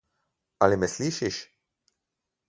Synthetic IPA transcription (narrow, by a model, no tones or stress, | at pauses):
ɐlimɛsliːʃɪʃ